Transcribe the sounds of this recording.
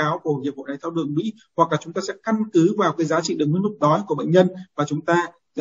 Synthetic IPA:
aː˨˦wku˧˨˩ɲi˨˩əpho̰˧˨na˨˩jt̪ʰwɗɨ̰˨˩əŋmḭ˧˥ | hwa˨˩k̚laː˨˩t͡ɕʊ˨˦ŋ͡mt̪aː˧sɛ̰˧˥ka˧nkɨ˨˦vaː˨˩˨kaː˨˦jzaː˨˦t͡ɕḭ˧˨ɗɨ˨˩k̚m̰˧˥nmʊ˨˩k͡p̚ɗɔ˨˦jku˧˩əɓə̰˧˨ɲɲə˧nvaː˨˩t͡ɕʊ˨˦ŋ͡mt̪aː˧

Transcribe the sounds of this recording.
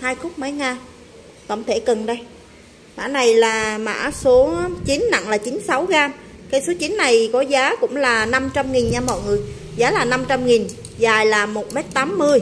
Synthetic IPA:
haː˧jxʊ˦˥k͡p̚mə˨˦jŋaː˧ | t̪ə̰˧˩wŋ͡mt̪ʰe˧˩kə˨˩nɗə˧j | ma̰ː˧˥na˨˩jlaː˨˩ma̰ː˧˥so˨˦t͡ɕi˨˦nna̰˧˨ŋlaː˨˩t͡ɕi˨˦nsa˨˦wɣaː˧mkaː˨˦jso˨˦t͡ɕi˨˦nːa˨˩jkɔ˨˦zaː˨˦kʊ̰˧˥ŋ͡mlaː˨˩na˧mt͡ɕa˧mŋi˨˩nɲaː˧mɔ̰˧˨jŋɨ˨˩əjzaː˨˦laː˨˩na˧mt͡ɕa˧mŋi˨˩n | zaː˨˩jlaː˨˩mo˨˩t̚m˦˥t̚t̪aː˨˦mːɨ˧əj

